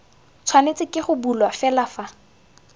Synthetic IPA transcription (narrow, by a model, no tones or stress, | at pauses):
t͡sʰwanet͡sʼɪkʼɪχʊbulwafɛlafa